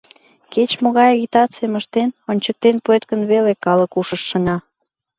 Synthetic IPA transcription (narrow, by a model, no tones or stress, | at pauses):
ket͡ɕmoɣɑjɑɣit̪ɑt͡siəməʃt̪enonʲt͡ɕək̚t̪enpuet̪kənβelekɑlə̆kuʃəʃːə̆nʲɑ